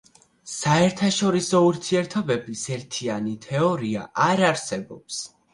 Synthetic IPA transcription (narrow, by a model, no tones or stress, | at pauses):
saɛɾt̪ʰaʃɔɾisɔuɾt̪ʰiɛɾt̪ʰɔbɛbisɛɾt̪ʰianit̪ʰɛɔɾia̰ʔaɾaɾsɛbɔps